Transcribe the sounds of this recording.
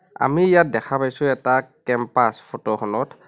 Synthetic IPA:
a̰miijat̚dɛxʰapajsʊ̃ɛtakɛmpaspʰɔtɔxɔnɔt

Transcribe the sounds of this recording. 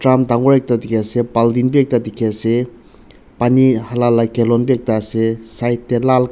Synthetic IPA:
tɹamd̪aŋɡoɹek̚t̪ad̪ikʰesepald̪inpek̚t̪at̪ikʰese | panihalalːakelɔnpek̚t̪asesajt̪ːelal

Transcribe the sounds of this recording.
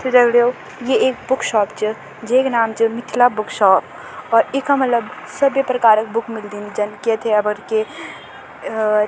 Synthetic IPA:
t̪ʰed͡ʒɐɡɽejo | jeeːk̚bʊkʃɔːpt͡ʃə | d͡ʒeknaːmt͡ʃəmɪʈ̪ʰilabʊkʃɔːp̚ | ɔːɾekɦɐmːɐt̪ləb | sɐbjepɾɐkaːɾək̚bʊkʰmɪld̪ind͡ʒɐnket̪ʰeɐbəɾke

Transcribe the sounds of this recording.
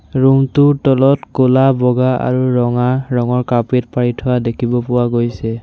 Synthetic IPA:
ɹumtʊtɔlɔtkolabɔɡaa̰ɹuɹɔŋaɹɔŋɔɹkapet̚paɹitʰɔwadekʰibɔpʊwaɡojsɛ

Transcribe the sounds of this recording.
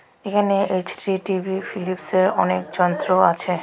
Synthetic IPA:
ekʰaneet͡ɕʈiʈibʱifilipseɾɔnek̚d͡ʑɔnt̪ɾoa̰t͡ɕʰe

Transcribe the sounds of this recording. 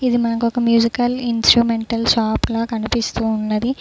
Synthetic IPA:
id̪imɐnɐkɔkɐmjuːd͡ʒikɐlinsʈɾuːmeɳʈɐlsaːplɐːkɐnipist̪uːnːɐd̪i

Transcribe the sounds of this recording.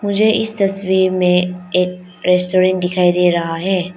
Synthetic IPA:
mʊd͡ʒʱeʔɪst̪ɐsʋiːɾmẽeːk̚ | ɾɛːsʈoːɾɛ̃ːɳʈ̚d̪ɪkʰaːid̪eːɾɐɦaɦɛː

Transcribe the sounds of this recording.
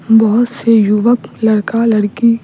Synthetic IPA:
bɐɦʊt̪sejuʋəklɐɽkalɐɽki

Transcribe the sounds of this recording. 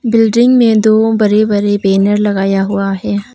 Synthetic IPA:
bɪlɖɪ̃ŋɡmẽd̪oːbɐɾebɐɾebeːnəɾlɐɡaːjaɦʊaɦɛː

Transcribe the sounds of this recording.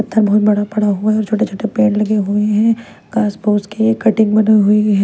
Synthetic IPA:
ɐt̪ʰːəɾbɐɦʊt̪̚bɐɽapɐɽ̤aɦʊaɛɔːɾt͡ʃʰoːʈet͡ʃʰoːʈepeːnlɐɡeɦueɦɛ̃ | kaːsboːskekɐʈɪ̃ŋɡbɐnɦʊiɦɛ

